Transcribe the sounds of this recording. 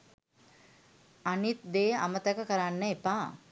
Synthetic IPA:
anit̪̚d̪eːa̰mət̪əkəkəɾanːəepaː

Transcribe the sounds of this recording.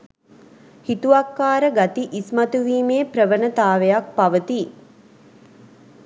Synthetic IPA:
hit̪uakːaːɾəɡat̪iʔismat̪uʋiːmeːpɾəʋənət̪aːʋejak̚paʋət̪i

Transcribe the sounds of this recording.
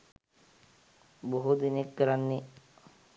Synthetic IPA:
boɦud̪inekːəɾanːi

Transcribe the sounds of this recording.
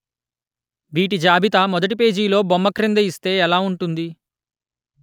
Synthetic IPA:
ʋiːʈid͡ʒaːbʱit̪ɐmɔd̪ɐʈ̬ipe̞ːd͡ʒiːlo̞ːbɔmːɐkɾind̪ɐist̪e̞ːɛlaːuɳʈund̪i

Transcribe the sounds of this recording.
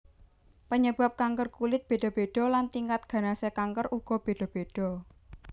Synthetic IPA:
pəɲəb̥a̤p̚kaŋkərkulɪt̪̚b̥e̤ɖ̥ɔ̤b̥eɖ̥ɔ̤lant̪iŋkat̪̚ɡ̥ä̤nasekaŋkəruɡ̥ɔ̤b̥e̤ɖ̥ɔ̤b̥eɖ̥ɔ̤

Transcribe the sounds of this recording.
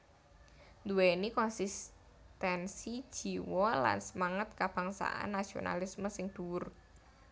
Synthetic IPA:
nd̪uwenikɔnsis | t̪ɛnsi̥ʒ̥i̤wɔla̰nsəmaŋət̪̚kab̥a̤ŋsa̰ʔa̰nːasio̰na̰lisməsɪŋd̪̥uʊr

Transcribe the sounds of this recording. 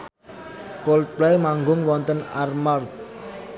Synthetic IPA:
kolplɛjmaŋɡʊŋwɔnt̪ənarmard̪̚

